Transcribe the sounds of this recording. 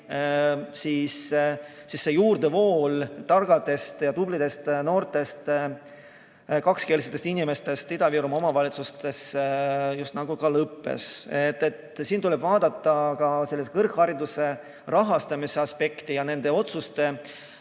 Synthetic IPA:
siːs | sisːe̞juːrd̪̥e̞vo̞ːlt̪ɑrɡ̥ɑd̪e̞st̪jɑt̪ublid̪̥e̞st̪no̞ːrt̪e̞st̪ | kɑkske̞liset̪ːest̪inime̞st̪e̞st̪id̪ɑviɾumo̞mɑvɑlʲit̪sust̪e̞s | just̪nɑɡ̥ukɑlɤpːe̞̰set̪ːˑe̞t̪siːnt̪ulebvɑːd̪̥ɑt̪ːˑɑkɑse̞lːest̪̚kɤrkhɑɾid̪use̞ | rɑɦɑst̪ɑmise̞ɑspe̞kt̪ijɑne̞nd̪̥e̞o̞t̪sust̪e̞

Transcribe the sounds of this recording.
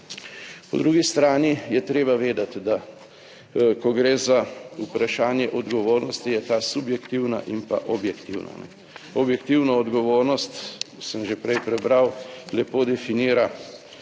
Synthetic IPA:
pɔ̰d̪ɾuɡist̪ɾaːnijɛt̪ɾeːbaʋeːd̪at̪d̪a | kɔɡɾeːzaupɾaʃaːnjɛʔɔd̪ɡɔʋoːɾnɔst̪ijɛt̪aːsubjɛkt̪iwna̰ʔimpa̰ʔɔbjɛkt̪iwna̰nɛ̰ | ɔbjɛkt̪iwnɔːd̪ɡɔʋoːɾnɔst̪səmʒepɾɛjpɾɛbɾawlɛpoːd̪ɛfiniːɾa

